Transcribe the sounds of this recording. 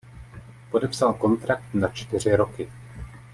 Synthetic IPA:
po̞dɛpsalko̞nt̪ɾak̚t̪nat͡ʃt̪ɪr̝ɪɾo̞kɪ

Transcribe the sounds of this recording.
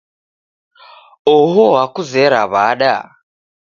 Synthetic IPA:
ɔɦɔɦakuzɛɾaβaɗa̰

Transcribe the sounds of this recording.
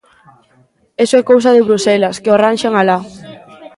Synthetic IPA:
esoɛkows̬ɐðɪβɾusɛlɐskeoaranʃaŋala

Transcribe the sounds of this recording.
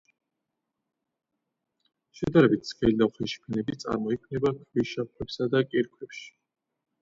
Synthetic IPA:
ʃɛd̪aɾɛbit̪ʰskɛld̪aχɛʃi̥pʰɛnɛbit̪sʼa̰ɾmɔikʰnɛbakʰʼviʃap̚kʰwɛpsad̪akʼiɾkʰwɛpʃi̥

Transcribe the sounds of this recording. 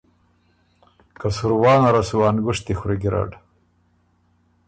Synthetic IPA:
kasuɾwɑːnaɾasuwaːnɡuʂt̪ixɾiɡiɾa̰ɖ

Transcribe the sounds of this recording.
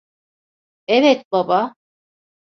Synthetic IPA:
evɛt̪̚baba

